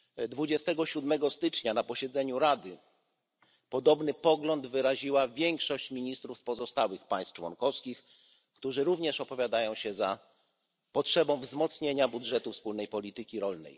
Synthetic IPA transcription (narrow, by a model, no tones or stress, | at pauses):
d̪vud͡ʑɛst̪ɛɡɔɕud̪mɛɡɔst̪ɘt͡ʂɲanapɔɕɛd̪zɛɲuɾad̪ɘ | pɔd̪ɔbnɘpɔɡlɔnd̪vɘɾaʑiwavʲjɛŋkʂɔɕt͡ɕmʲiɲist̪ɾufspɔzɔst̪awɘxpajst̪t͡ʂwɔ̰nkɔfskʲix | kt̪uʐɘɾuvɲɛʂɔpɔvʲjad̪ajɔ̃w̃ɕɛza | pɔtʂɛbɔ̃w̃vzmɔt̪sɲeɲabudʐɛt̪ufspulnɛjpɔlʲit̪ɘkʲiɾɔlnɛ̰j